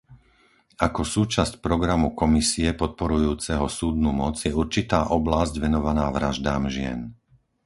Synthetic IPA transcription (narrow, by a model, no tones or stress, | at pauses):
akɔsuːt͡ʃascpɾɔɡɾamukɔmisiɛpɔt̪̚pɔɾujuːt͡sɛɦɔsuːd̪numɔd͡zjɛuɾt͡ʃit̪aːʔɔblazɟʋɛnɔʋanaːʋɾaʒd̪aːmʒɪɛ̰n